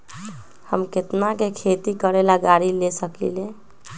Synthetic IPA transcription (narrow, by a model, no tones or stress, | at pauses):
hə̰mket̪nakekʰet̪ikəɾelaɡaɾilesəklḭle